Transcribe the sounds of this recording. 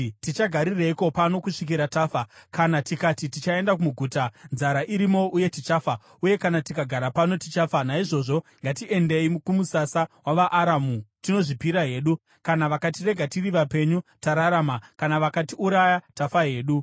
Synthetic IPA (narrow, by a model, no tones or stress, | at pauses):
tit͡ʃaɡʱaɾireiko̞pano̞kuʂik̬iɾataːfakanatikatitit͡ʃae̞ndak̬umuɡʱuːtanzaɾaʔiɾimo̞uje̞tit͡ʃafa | uje̞kanatikaɡʱaɾapano̞tit͡ʃafanaiʐo̞ʐo̞ŋɡatiʔe̞nde̞imkumusasawaʋaʔːɾamutino̞ʐipiɾaɦe̞ːɗu | kanaʋakatire̞ɡʱatiriʋape̞ɲutaɾaɾamakanaʋakatiuɾajatafaɦe̞ːɗu